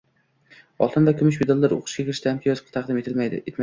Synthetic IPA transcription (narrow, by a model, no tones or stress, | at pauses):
ɒlˠt̪ʰɨnd̪akʲʰʊmɪʃ̬bed̪alˠːaɾo̰qʰʊ̥ʃɡʲakʰʲɪɾɪʃt̪ahamkʲʰɪjɒzqʰɑ̥t̪ʰɑqd̪ɪmeet̪ma